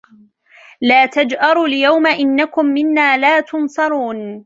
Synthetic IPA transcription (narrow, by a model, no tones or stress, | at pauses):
laːt̪ad͡ʒʔɑɾˤuːljawmaʔɪnːakʊmːɪnːaːlaːt̪ʊnsˤɑɾˤuːn